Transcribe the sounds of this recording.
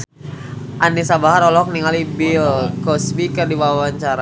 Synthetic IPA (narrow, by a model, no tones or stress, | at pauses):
ʔanisabaɦaɾɔlɔk̚niŋalibilkɔspikərdiwawaɲt͡ʃaɾa